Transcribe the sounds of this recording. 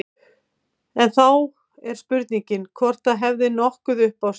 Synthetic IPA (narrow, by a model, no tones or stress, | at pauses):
ɛnθaw | ɛɾ̥spʏɾt̪niɲcɪnkʰvɔr̥t̪aðɦɛvðɪnɔhkʏðʏhpaws